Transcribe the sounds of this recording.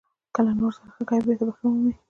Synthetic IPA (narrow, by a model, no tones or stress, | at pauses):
kəlanoɾsaɾaxəkajbeɾt̪abaxəwumi